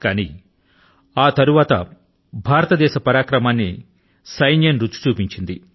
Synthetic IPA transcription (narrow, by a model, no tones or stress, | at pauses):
kaːnḭ | aːt̪ɐɾuʋaːt̪ɐ̰ | bʱaːɾɐt̪ɐd̪ɛːʃɐpɐɾaːkɾɐmaːnːḭ | sɐjnjɐnɾuːu̥t͡ʃuːpiɲt͡ʃind̪i